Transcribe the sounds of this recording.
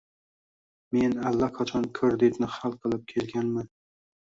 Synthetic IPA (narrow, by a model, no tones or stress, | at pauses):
me̞nalːaqʰɑt͡ʃʰɒnkʰɵɾd̪et̪nɪχalˠqʰɨlˠɪp̚kʲʰe̞lɡʲanman